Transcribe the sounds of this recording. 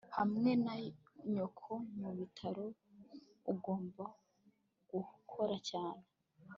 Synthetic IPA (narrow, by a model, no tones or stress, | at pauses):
hamŋe̞na | ɲokʰo̞muβitʰaɾo | uɡo̞ːmba | ɡ̥ukʰoɾacaːne